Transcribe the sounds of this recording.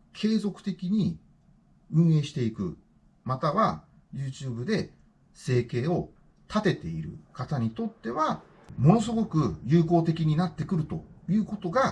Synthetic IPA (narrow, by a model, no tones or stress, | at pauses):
kʰe̞ːzo̞kɯ̟̥t̪e̞kʲiɲ̟i | ɯ̟̃ɰ̃e̞ːɕi̥t̪e̞ikɯ̟̰ | mat̪aβa | jɯːt͡ɕɨːbɯ̟d̪e̞ | se̞ːke̞ːo̞ | t̪ʰat̪e̞t̪e̞̰iɾɯ̟̰kat̪aɲ̟it̪o̞t̪ːe̞βa | mo̞no̞s̬ɨɡo̞kɯ̟jɯ̟ːko̞ːt̪e̞kʲiɲ̟inat̪ːe̞kɯ̟ɾɯ̟t̪o̞jɯ̟ːko̞t̪o̞ɡa